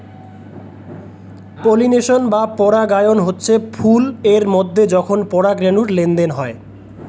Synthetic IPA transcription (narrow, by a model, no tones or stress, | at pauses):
polineʃonbapɔɾaɡajonɦotːɕʰepʰuleɾmod̪ʱːed͡ʑɔkʰonpɔɽaɡɾenuɾlend̪enɦɔe